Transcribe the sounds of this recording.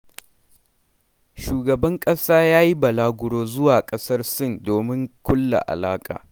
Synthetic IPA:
ʃuː˨ɡɐ˨bɐ˦ŋkʼɐ˦saː˦jaː˦ji˦bɐ˨laː˦ɡʷʊ˨ɽoː˦zʊ˦waː˨kʼɐ˦sɐ˦rsɪ˦˨ndoː˨mɪ˦ŋkʷʊ˦lːa̰˨ʔa̰˨laː˦kʼa̰ː˨

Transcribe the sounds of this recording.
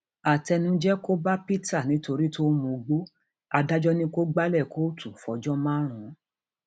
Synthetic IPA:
a˨tɛ˧nũ˦d͡ʒɛ˦ko˦ba˦pi˦ta˦˨nĩ˨˦to˧ɾi˦to˦mõ˧˨˧ɡ͡bo˦ | a˧da˦d͡ʒɔ˦nĩ˦ko˦ɡ͡ba˦lɛ˦˨ko˦tʰu˦˨fɔ˨˦d͡ʒɔ˦mãː˦ɾ̃ũ˨˦

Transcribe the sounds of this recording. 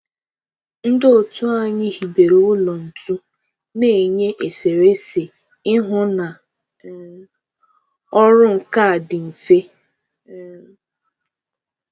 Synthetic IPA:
n̩˦dɪ˦ʊ˨tʊ˦a˦ɲɪ˦hi˨be˨ɾo˨ʊ˦lɔ˨n̩˨tu˦ | ne˨ɲe˦ʔe˨se˨ɾe˦se˨ | ɪ˦ɦʊ˦na˨ | ɔ˦ɾʊ˦ŋ̩˨ka˦˨dɪ˨m̩˨fe˦

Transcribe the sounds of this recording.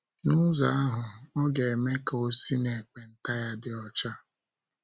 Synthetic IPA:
nʊ˦za˨a˦ɦʊ˨ɔ˦ɡe˨e˨me˦ka˨o˦si˦ne˨k͡pe˨n̩˦ta˦ja˦dɪ˨ɔ˦t͡ʃa˦

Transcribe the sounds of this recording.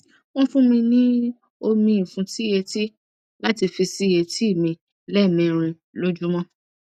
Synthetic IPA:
wɔ̃˦fũ˦mĩ˧nĩ˦ | o˧mĩ˧i˨fũ˧ti˦˨je˧ti˦ | la˦ti˧fi˧si˦˨je˧ti˦i˦˨mĩ˧ | lɛ˦˨mĩ˨˧˨ɾ̃ĩ˧ | lo˦d͡ʒu˦mɔ̃˦

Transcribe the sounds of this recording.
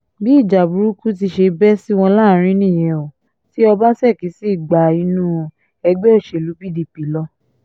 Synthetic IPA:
bi˦˨d͡ʒa˨bu˨ɾu˦ku˦t̬i˧ʃe˧bɛ˦si˦w̃ɔ̃˧la˦˨˦ɾ̃ĩ˦nĩ˦˨jɛ̃˨o˨ | ti˦ɔ˧ba˦sɛ˦˨ki˨˦si˦˨ɡ͡ba˨i˧˦nũ˦˧ | ɛ˧ɡ͡bɛ˦o˦˨ʃe˨lu˨˦bi˦di˧˦pi˨˦lɔ˦

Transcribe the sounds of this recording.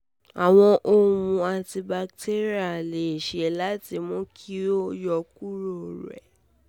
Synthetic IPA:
a˨w̃ɔ̃˧ʔo˧ũ˧a˧ti˧ba˧kte˦ɾi˦a˨le˨ʃɛ˨˦la˦ti˧mɔ̃˦kʰi˦o˦jɔ˧k̚u˦ɾo˦˨ɾɛ̰˨

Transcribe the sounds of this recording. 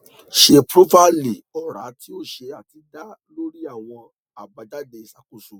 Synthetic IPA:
ʃe˧pɾo˦pa˦li˨ɔ˦˨ɾa̰˨˦ti˦o˦˨ʃe˧a˨ti˧da˦lo˦ɾi˦a˦˨w̃ɔ̃˧ | a˨ba˧da˦de˧˨sa˨˦ku˦˨so˨

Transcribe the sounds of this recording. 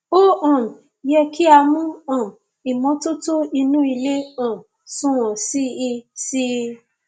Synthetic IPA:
o˦ɔ̃˨ | jɛ˧ki˦a˧mũ˦ɔ̃˨ | i˨mɔ̃˨˦tu˦to˦i˧nũ˦i˧le˦ã˦˨ | sũ˦wɔ̃˨si˦i˧si˦˧

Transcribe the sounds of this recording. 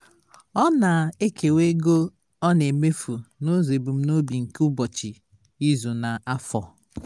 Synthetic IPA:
ɔ˦na˨e˦ke˨we˦ɡo˦ | ɔ˦ne˨me˦fu˨no˦ze˨bu˨m̩˦no˦bi˨ŋ̩˨ku˦bɔ˨t͡ʃi˨ | i˦zu˨na˨a˦fɔ˨

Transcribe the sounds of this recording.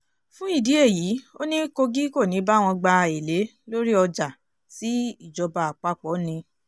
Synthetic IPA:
fũ˦i˦˨di˨˦e˦˨jiː˨˦o˦nĩ˦ko˧ɡi˦ko˦˨nĩ˨˦ba˦w̃ɔ̃˧ɡ͡ba˧e˨le˨˦ | lo˦ɾi˦ɔ˧d͡ʒa˨ | si˨˦i˦˨d͡ʒɔ˧ba˧a˨k͡pa˨˦˨k͡pɔ˨˦nĩ˧

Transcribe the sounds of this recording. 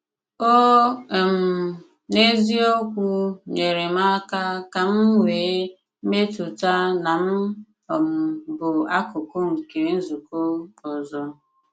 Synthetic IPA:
o˦˨m̩˨ | ne˦zi˦o˦kʷu˦ɲe˨ɾe˨ma˦ka˦ka˨m̩˦ŋʷeː˨˦ | me˦tʊ˨ta˦na˨m̩˦ | ɔ˨m̩˨bʊ˨a˦kʊ˨kʊ˦ŋ̩˨ke˨n̩˦zu˨ko˦ɔ˨zɔ˦

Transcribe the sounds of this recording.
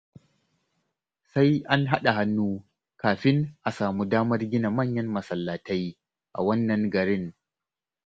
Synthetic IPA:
sa˦jʔa˦nɦa˦ɗa˨ha˦nːuː˦ | kaː˨ɸɪ˦ŋʔa˨saː˨mu˦daː˦mɐ˦rɡʲɪ˦na˨mɐ˦˨ɲjɐ˦mmɐ˨sɐ˨lːa˨ta˦j | ʔa̰˨wɐ˦nːɐ˨ŋɡɐ˨ɾɪ˦ŋ

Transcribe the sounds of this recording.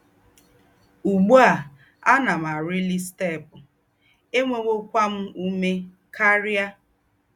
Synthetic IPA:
u˨ɡ͡bu˦a˨ | a˦na˨m˨a˨ɾi˦li˦ste˦˨pʊ˨ | e˦ŋʷe˦ŋʷo˦kʷa˦m̩˦u˦me˦ | kʰa˦ɾja˦

